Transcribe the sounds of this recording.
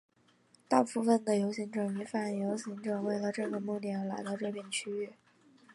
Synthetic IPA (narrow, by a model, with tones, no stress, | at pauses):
t̪ɑ˥˧ʊpu˥˧fə˨˩nd̪ə˩jo˧˥ʊɕi˧˥ŋʈ͡ʂɤ˨˩ŋy˧˥fa˨˩njo˧˥ʊɕi˧˥ŋʈ͡ʂɤ˨˩we˥˩ɪlə˩ʈ͡ʂɤ˥˩ɡə˩mu˥˧t̪jɛ˥˩nla˧˥ɪt̪ɑ˥˧ʊʈ͡ʂɤ˥˧pjɛ˥˩nt͡ɕʰy˥y˥˩